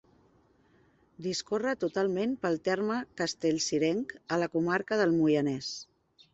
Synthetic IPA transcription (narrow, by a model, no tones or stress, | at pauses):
d̪iskorət̪ut̪alˠmenpəlˠt̪ɛrməkəst̪eʎʲsiɾɛŋkələkumaɾkəðəlˠmujənɛs